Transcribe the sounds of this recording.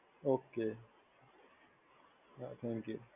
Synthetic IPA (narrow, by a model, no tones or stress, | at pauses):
oːke | at̪ʰɛ̃ŋkju